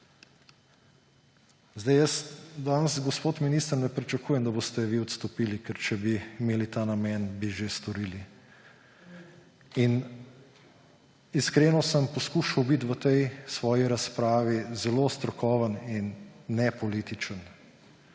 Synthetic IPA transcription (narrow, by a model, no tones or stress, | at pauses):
zd̪ajəsd̪aːnəsɡɔspoːt̪miniːst̪əɾnɛpɾit͡ʃakuːjɛmd̪aboːst̪ɛʋiːɔt̪st̪ɔpiːlikɛɾt͡ʃɛbimeːlit̪aːnamɛnbiʒest̪ɔɾiːli | in | iskɾeːnɔsəmpɔskuːʃɐwbit̪ʋət̪ɛjsʋɔːjiɾaspɾaːʋizɛlost̪ɾɔkɔːʋəninːɛpɔliːt̪it͡ʃən